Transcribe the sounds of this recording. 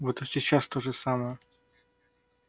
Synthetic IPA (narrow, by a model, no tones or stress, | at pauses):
vot̪əsʲɪt͡ɕːast̪oʐɨsaməjə